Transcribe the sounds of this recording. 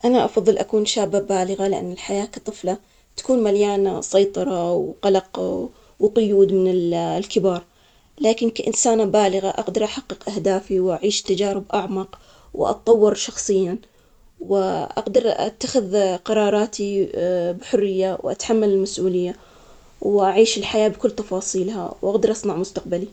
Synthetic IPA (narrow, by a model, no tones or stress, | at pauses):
ʔanaʔɑfɑðˤːɨlʔakuːnʃaːbːabaːlɪɣalɪʔa̰nːɪlħajaːkɑ̥t̪ˤɨfla | t̪ḁkuːnmaljaːnasˤɑjt̪ˤɑɾˤɑwqɑlɑq | wqʊjuːd̪mɪnɪllkɪbɑːɾˤ | laːkɪnkaʔɪnsaːnabaːlɪɣaʔɑqd̪ɑɾˤʔaħɑqːɨqʔahd̪aːfiwʔaʕiːʃt̪ːad͡ʒaːɾɪbʔaʕmɑq | wʔɑ̰t̪̚t̪ˤːɑwːɪɾʃɑxsˤɨjːan | wɪʔa̰ɡd̪ɑɾˤʔa̰t̪ːaxɪðqɑɾˤɑːɾˤɑːt̪ibħʊrːɪjːawʔa̰t̪ħamːalɪlmasʔuːlɪjːa | wʔaʕiːʃɪlħajaːbkʊlːt̪ɑfɑːsˤiːlha̰wʔaɡd̪ɑɾˤʔɑsˤnɑʕmʊst̪aq̚bali